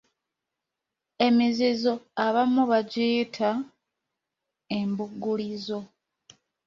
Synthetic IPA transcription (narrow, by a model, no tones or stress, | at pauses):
e̞mizizo̞aβamuβaɟiːtʰa | e̞mbuɡːulizo̞